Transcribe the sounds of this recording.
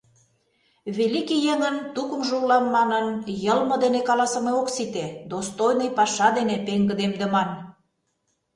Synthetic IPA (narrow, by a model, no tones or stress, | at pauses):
βelikijeŋənt̪ukə̆mʒullɑnmɑnənjəlmɤ̆d̪enekɑlɑsə̆meoksit̪ed̪ost̪ojnəjpɑʃɑd̪enepeŋɡə̆d̪emd̪ə̆mɑn